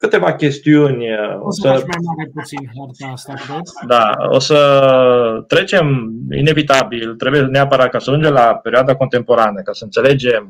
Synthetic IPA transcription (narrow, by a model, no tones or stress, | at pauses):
kɨt̪evakʲest̪iunʲo̰sə | d̪ao̰sə | t̪ɾet͡ʃemḭnevit̪abilt̪ɾebujeneapəɾat̪̚kasəʒund͡ʒelapeɾioad̪akont̪empoɾaneakasənt̪seled͡ʒem